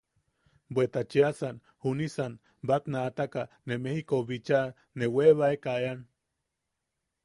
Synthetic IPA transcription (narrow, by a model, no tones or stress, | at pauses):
bwet̪at͡ʃeasan | hunisan | bat̪naːt̪aka | nemehikoβit͡ʃa | neweβaekaean